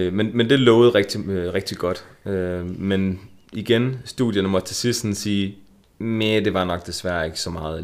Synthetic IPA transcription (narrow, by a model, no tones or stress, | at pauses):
menmend̥e̝lɔːʊð̩ˠʁɛɡ̥̚d̥iʁɛɡ̥̚d̥iɡ̥ɒ̽d̥ømeniɡ̥ensd̥ṵðˠjɐnəmɒ̽d̥t͡sʰe̝sisd̥n̩siː | med̥e̝ʋɑ̈nɒ̽ɡ̥̚d̥e̝sʋæɐ̰e̝ɡ̥əsɒ̽mɑ̈ːð̩ˠ